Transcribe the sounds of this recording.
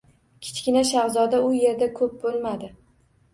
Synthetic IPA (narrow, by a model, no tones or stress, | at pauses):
kʲʰɪ̥t͡ʃkʲɪnaʃaʁzɒd̪aʊje̞ɾd̪akʰɵp̚bolˠmad̪ɪ